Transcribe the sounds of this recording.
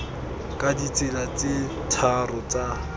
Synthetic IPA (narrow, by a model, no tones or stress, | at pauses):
kʼadit͡sɪlat͡sɪ | tʰarɔt͡sa